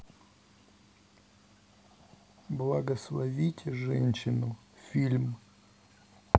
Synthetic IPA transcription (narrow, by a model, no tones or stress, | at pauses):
blˠɐɡəslˠɐvʲitʲʰɪʐɛ̰nʲɕɪnʊ | fʲilʲm